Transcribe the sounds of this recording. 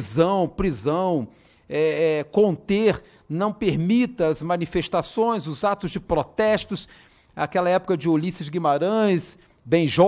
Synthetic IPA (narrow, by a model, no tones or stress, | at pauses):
zɐ̃w̃pɾizɐ̃w̃ | ɛɛkõnt̪eɾ | nɐ̃w̃peɾmit̪ɐɐzmɐ̃nifeʃt̪asõj̃zʊzat̪ʊzd͡ʒɪpɾot̪ɛst̪ʊs | a̰kɛlɐɛpʊ̥kɐd͡ʒɪolisiɐzɪɡimaɾɐ̃j̃s | bẽj̃ʒɔ